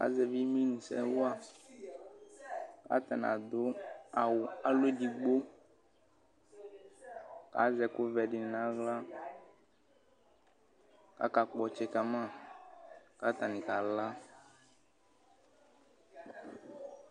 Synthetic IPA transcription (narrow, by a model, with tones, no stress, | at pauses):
ka̰˨˦zɛ˨vi˦mĩ˦nĩ˨sɛ̰˦wʊ˦a˨ | ka̰˨˦t̪a˨n˨a̰˨d̪ʊ˨˦a˨wʊ˨a˨lo˦di˨ɡ͡bo˦ | ka̰˨˦zɛ˨kʊ˦vɛ˨ɖɪ˨n˨nã˦ɣla˦ | ka̰˦ka˨k͡pɔ˨t͡ʃɛ˨ka˨mã˦˨ | ka˨˦t̪a˨nĩ˨ka˨la˦